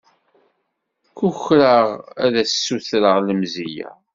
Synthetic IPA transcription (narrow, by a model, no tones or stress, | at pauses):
kuçɾəʁæðæsːuθɾəʁləmzijæ̰